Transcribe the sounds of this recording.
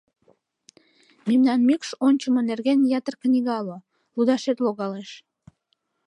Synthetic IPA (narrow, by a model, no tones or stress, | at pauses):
memnɑnmikʃonʲt͡ɕəmənerɣenjɑt̪ərknʲiɣɑlo | lud̪ɑʃet̪loɣɑleʃ